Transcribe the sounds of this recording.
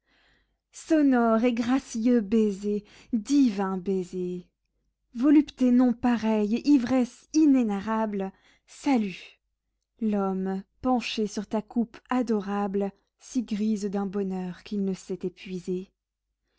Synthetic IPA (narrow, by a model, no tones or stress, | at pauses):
sɔnɔʁeɡʁasjøbeze | d̪ivɛ̃beze | vɔlypt̪enɔ̃paʁɛjʔivʁɛs | inenaʁabl | saly | lɔmpɑ̃ʃesyʁt̪akupad̪ɔʁabl | siɡʁizd̪ɛ̃bɔnœʁkilnəsɛt̪epɥize